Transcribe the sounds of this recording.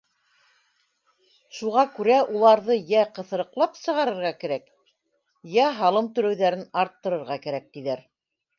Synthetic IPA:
ʃuʁɑkʉɾæʔulˠɑɾðɤjæqɤ̆θɤ̆ɾɤ̆qlˠɑpsɤ̆ʁɑɾɤ̆ɾʁɑkæɾæk | jæɦɑlˠɤmt̪ɵ̆ɾɵ̆wðæɾɘnɑɾt̪ːɤ̆ɾɤ̆ɾʁɑkæɾæk̚t̪iðæɾ

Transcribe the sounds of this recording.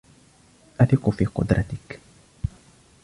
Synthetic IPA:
ʔat̪ɪkʊfiːqʊ̰d̪ɾat̪ɪk

